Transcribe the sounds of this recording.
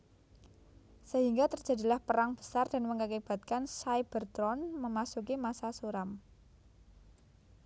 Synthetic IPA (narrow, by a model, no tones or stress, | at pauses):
səɦiŋɡat̪ərd̥d͡ʒ̥a̤dilahpəɾaŋb̥ə̥sard̥a̤nməŋkakeb̥a̤t̪̚kansajb̥ərt̪ɾɔnməmasukimasasuɾam